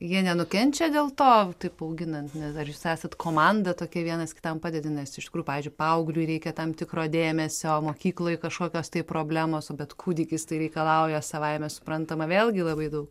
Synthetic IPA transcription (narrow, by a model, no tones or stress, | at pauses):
jiɛnʲɛnʊkʲɛnʲt͡ʃʲɛd̪ʲeːlˠt̪oːt̪ɐɪpɐʊɡʲɪnɐnt̪nʲɛsɐrjʊsæːsɐt̪kʰoːmɑnd̪ɐt̪oːkʲɛʋʲiɛnɐskʲɪ̥t̪ɐmpɑːd̪ʲɛdʲɪnʲɛsɪʃtʲɪkuːʊpɑʋʲiɪzʲd͡ʒʲʊɪpɐɐʊɡlʲʊɾʲɛɪkʲɛt̪ɐmt̪ʲɪkɾoːd̪ʲeːmʲɛsʲoːmoːkʲiːklˠoːjɪkɐʃkoːkʲoːst̪ɐɪpɾoːbʲlʲæːmoːsoːbʲɛt̪kʰuːd̪ʲɪkʲɪst̪ɐɪɾʲɛɪkɐlˠɐʊjɛsɐʋɐɪmʲɛsʊ̥pɾɐnt̪ɐmɐʋʲeːlˠʲɡʲɪlˠɐbɐɪd̪ɐʊk